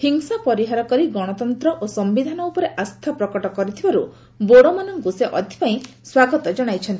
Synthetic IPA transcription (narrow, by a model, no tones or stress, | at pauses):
hiŋsapɔɾiɦaɾɔkɔɾiɡɔɽ̃ɔt̪ɔnt̪ɾɔʔosɔmbid̪ʱanɔupɔɾeʔast̪ʰapɾɔkɔʈɔkɔɾit̪ʰibaɾu | boɽɔmanɔŋɡuseʔɔ̰d̪ʱi̥paĩ | swaɡɔt̪ɔd͡ʒɔɽ̃ajt͡ʃʰɔnt̪i